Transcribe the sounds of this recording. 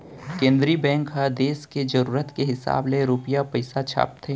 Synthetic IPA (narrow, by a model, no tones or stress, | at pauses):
kẽːnd̪ɾibɛ̃ːŋkɦad̪eːsked͡ʒɐɾuːɾət̪keɦɪsa̰ːbleɾuːpɪjapɐɪsat͡ʃʰa̰ːp̚t̪ʰeː